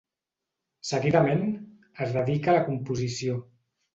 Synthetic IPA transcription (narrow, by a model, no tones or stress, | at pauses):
səɣiðamen | əzðəðikalakumpuzisio